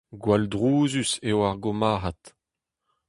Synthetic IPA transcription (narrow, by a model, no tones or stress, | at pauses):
ɡwaldʁuːzysewaʁɡomaːɦat̪